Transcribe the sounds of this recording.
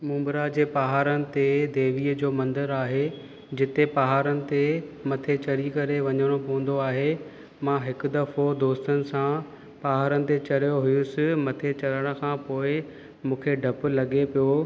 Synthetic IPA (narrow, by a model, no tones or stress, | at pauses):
mũːmbɾad͡ʑeːpaɦaːɾənɪ̆t̪ed̪eːʋiːəd͡ʑoːmɐ̃nd̪əɾaːɦe | d͡ʑɪt̪epɐɦaːɾənɪ̆t̪emɐt̪ʰet͡ɕɐɾikɐɾeʋɐɲəɽ̃opɐʋə̃n̆d̪oaːɦe | mãɦɪkʊ̆d̪ɐfod̪oːst̪ənɪ̆sã | pɐɦaːɾənɪ̆t̪et͡ɕɐɽijoɦʊjʊsɪmɐt̪ʰet͡ɕɐləɽ̃ə̆kʰãːpoːɪ | mũːkʰeɖʱɐp̆lɐɠepijo